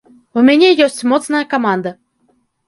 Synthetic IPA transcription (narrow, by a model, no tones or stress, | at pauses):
umʲenʲejosʲtʲmot̪t͡snakomand̪ə